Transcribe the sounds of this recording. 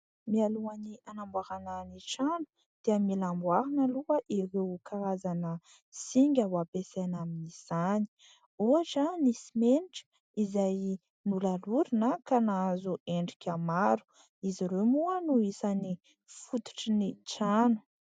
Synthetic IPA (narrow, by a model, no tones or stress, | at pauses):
mialuanianambwaɾananiʈ͡ʂanu̥ | d̪̥eamilambwaɾanaluəʔiɾewkaɾazanə | siŋɡʲawapesanaminiz̥ani̥ | uaʈ͡ʂanisimeniʈ͡ʂə̥ | izaj | nulaluɾinakanazuʔeɳɖ͡ʐikʲamaɾu̥ | iziɾemuanuisani | fut̪u̥ʈ͡ʂinit͡ʃanu̥